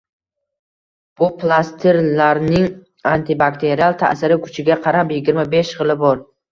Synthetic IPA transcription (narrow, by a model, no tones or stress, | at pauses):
b̥ʊplˠast̪ʰeɾlaɾnɪŋ | ant̪ʰɪbakt̪ʰe̞ɾialˠt̪ʰa̰sɪɾɪkʰʊ̥t͡ʃʰɪɡʲaqʰɑɾapjɪɡʲɪɾmabeʃʁɨlˠɪbɒɾ